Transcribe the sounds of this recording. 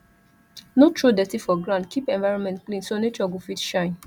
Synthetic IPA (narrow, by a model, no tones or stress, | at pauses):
notɹodɛtifɔɡɹãʊ̃nd̚kʰipɛ̃nvaɪɹɔ̃nmɛ̃ntklĩnsonet͡ʃɔɡofitʃãɪ̃n